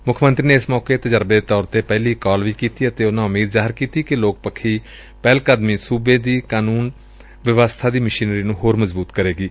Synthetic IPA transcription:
mʊkʰːmənt̪ɾiːneːɪsmɔːkeːt̪əd͡ʒəɾbd̪eːt̪ɔːɾt̪eːpɛːliːkɔːlʋiːkiːt̪iːət̪eːʊnãːʊmiːd̪zaːɦɪɾkiːt̪iːkɪloːk̚pəkʰːiː | pɛːlkəd̪miːsuːbeːd̪iːkaːnuːn | ʋɪʋaːst̪ʰaːd̪iːmɪʃiːnɾiːnũːɦoːɾməzbuːt̪kəɾeːɡiː

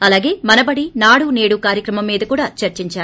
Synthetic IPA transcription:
ɐlaːɡe̞ːmɐnɐbɐɽinaːɽune̞ːɽukaːɾjɐkɾɐmɐmːiːd̪ɐkuːɽaːt͡ʃɐɾt͡ʃiɲt͡ʃaːɾu

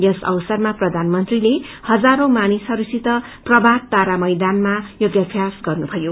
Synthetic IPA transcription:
jʌsʌ̰wsʌrmaprʌd̪ʱanmʌnt̪rilehʌd͡zaɾomanisʌɾusit̪ʌprʌbʱak̚t̪aɾamʌjd̪anmajoɡjapʰjasɡʌrnubʱʌjo

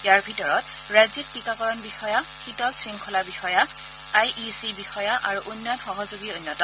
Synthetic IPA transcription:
jaɹbʱitɔɹɔt̚ | ɹazik̚tikakɔɹɔnbixɔjaxitɔtsɹiŋkʰɔlabixɔja | ajʔisibixɔjaʔaɹuʔunːɔnxɔɦɔzoɡiojnːɔtɔ

